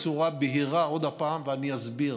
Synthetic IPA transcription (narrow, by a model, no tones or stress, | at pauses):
t͡suʁabeɦiʁao̞d̪apaːmveanijazbiʁ